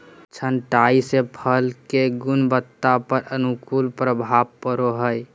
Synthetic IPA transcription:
t͡ʃʰənʈaisepʰəlkeɡunbət̪ːapəɾənukulpɾəbʱabpəɾoɦəj

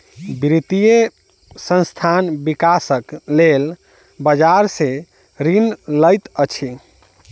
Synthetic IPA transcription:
bɾit̪ije | sə̃nst̪ʰanbikasəklel | bəd͡ʒaɾse | ɾinləjt̪ət͡ʃʰi

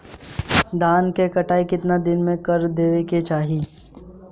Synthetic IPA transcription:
d̪aːnkekɐʈaːikɪt̪nad̪ɪnmẽkɐɾd̪eːʋeket͡ʃaːɦiː

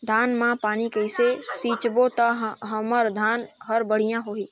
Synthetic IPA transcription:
d̪ʱaːnmãpaːnikəɪsesiːt͡ʃbot̪əɦəməɾd̪ʱaːnɦəɾbəɽ̤ijãɦoːiː

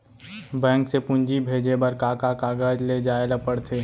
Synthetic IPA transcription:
bɛ̃ːŋksepʊ̃ɲd͡ʒibʱeːd͡ʒebəɾkaːkakaːɡəd͡ʒled͡ʒaːeləpəɽt̪ʰeː

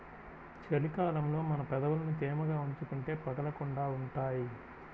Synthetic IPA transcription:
t͡ʃelikaːlɐmlo̞ːmɐnɐpɛd̪ɐʋulɐnut̪eːmɐɡaːuɲt͡ʃukuɳʈe̞ːpɐɡɐlɐkuɳɖaːuɳʈaːji

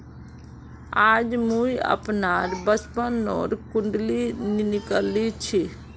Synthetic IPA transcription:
aːd͡ʒmũiə̰pnaːɾbəspənɔ̰ːɾkʊɳɖlininɪkəlit͡ʃʰi

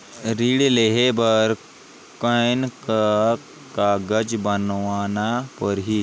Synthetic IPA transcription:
ɾiːɽleɦebəɾ | kənk | kaɡəd͡ʒbənʋaːnapəɾɦi

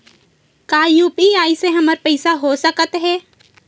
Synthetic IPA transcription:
kaːjuːpiaːiseɦɐməɾpəɪsaɦoːsəkət̪ɦɛː

